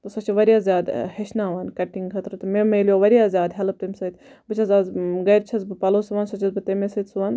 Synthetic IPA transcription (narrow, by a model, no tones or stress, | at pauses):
t̪ɐsɐt͡ʃʰiʋɐɾijaːzʲjaːd̪hɐʃnaːʋaːnkɐʈːiŋɡkʰɐt̪ɾɨt̪ɨmemɐljoːʋɐɾijaːzʲjaːd̪ɦɐlɐp̚t̪ɐmʲsɐt̪ʲ | bɨt͡ʃʰɐzaːzɡɐjɾt͡ʃʰɐzbɨpɐloːsuʋaːnsɐt͡ʃʰɐzbɨt̪emesɐt̪suʋaːn